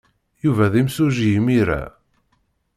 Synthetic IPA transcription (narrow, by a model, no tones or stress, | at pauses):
juvæðimsuʒijəmiɾæ̰